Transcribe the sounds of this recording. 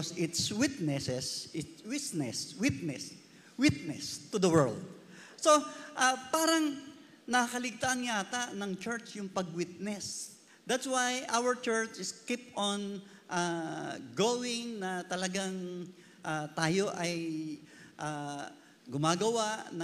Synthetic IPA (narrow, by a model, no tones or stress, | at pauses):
sɪt̪swɪt̪nɛsɛsʔɪt̪wɪt̪nɛswɪt̪̚nɛs | wɪt̪̚nɛst̪ʊd̪ɐwɛ̰ɹld̪̚ | so̞ʔapaːɾɐŋ | nɐkɐlɪɡ̚t̪aʔɐnjaːt̪anɐŋt͡ʃɛɹt͡ʃjʊŋpɐɡ̚wɪt̪̚nɛs | d̪at̪swajʔawɐɹt͡ʃɛɹt͡ʃɪskipɔn | ʔaɡowɪŋnɐt̪ɐlɐɡaŋ | ʔat̪aːjo̞ʔɐj | ʔa | ɡʊmaːɡɐwaʔn